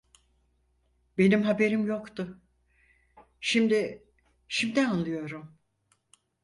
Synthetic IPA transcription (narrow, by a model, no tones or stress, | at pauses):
be̞nimɦabe̞ɾimjo̞kt̪ʊ | ʃimd̪ɪ | ʃimd̪ianlˠɯjo̞ɾum